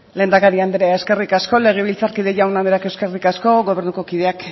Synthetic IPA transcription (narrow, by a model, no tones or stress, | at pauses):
le̞ːnd̪akaɾiand̪eɾeaeske̞rikasko̞le̞ɣ̞e̞βilt͡saɾkiðe̞ʝawnand̪eɾakewskerikasko̞ɣo̞β̞e̞ɾnuko̞kiðe̞ak